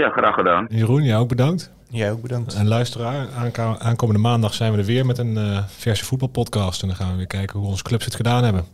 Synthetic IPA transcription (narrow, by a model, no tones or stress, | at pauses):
jaχraːχədaːnjərunjaowɡ̚bədɑŋkt | jaoɡ̚bədɑŋtɛnlœɥstəraːɹaːnkowməndəmaːndɑχsɛjnʋədəɹʋɪːɹmɛtənfɛɹsəfud̚bɑlˠpɔtkɑːstɛndɔnχaːnʋəʋɪːɹkɛjkənɦuɔnzə̥klɵpsətχədaːnɦɛbən